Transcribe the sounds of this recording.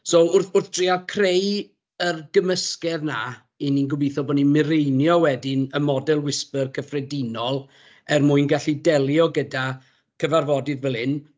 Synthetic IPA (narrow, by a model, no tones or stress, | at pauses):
sɔʊrθʊrθd̥riakʰrej | ərɡəməskɛðna | ininɡʊbiθɔbɔnimɪɾejnjɔwɛdɪnəmɔdɛlˠwɪspərkʰəfrɛdɪnɔlˠ | ɛrmujnɡaɬidɛlˠjɔɡəda | kʰəvarvɔdɪðvɛlˠɪn